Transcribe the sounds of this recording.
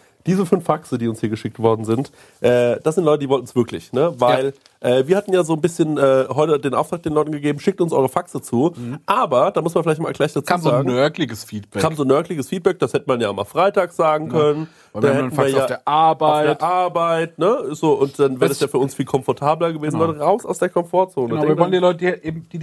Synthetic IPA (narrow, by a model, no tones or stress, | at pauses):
d̥iːzəfʏnfːaksədiːʊnshiːɐɡəʃɪk̚tv̥ɔɐdn̩zɪnt | ʔɛːd̥asz̥ɪntlɔʏtədiːvɔltn̩sv̥ɪɐklɪ̰çnəvaɪl | ʔɛːviːɐhatn̩jaːzoːnbɪsçənʔɛːɦɔʏtədeːnʔaʊftʁ̥aːk̚d̥eːnlɔʏtn̩ɡəɡeːbm̩ʃɪk̚tʊnsʔɔ̰ʏʁəfaksət͡suːʔaːbɐd̥aːmʊsmafɪlaɪçtma̰lɡlaɪçd̥at͡saːzzaːɡŋ̩nœɐklɪɡəsfiːtb̥ɛkʰaːmzoːnːœɐklɪɡəsfiːt̚b̥ɛk̚d̥ashɛtəmanjaːɪmaːfʁ̥aɪtaːkz̥aːɡŋ̩kʰœnən̥ | anhɛnaiːɐjaːdeːɐʔaɐbaʊɪdeːʔaɐbaɪtnəzoːʔʊntd̥anveːʁdasjaːfyːɐʊnsfiːlkʰɔmfɔɐtʰaːblɐɡəveːzn̩lɔtəʁaʊsa̰ʊsd̥eːɐkʰɔmfoːɐt͡soːnədaɛvɔləndiːlɔtədiʔeːbm̩d̥iː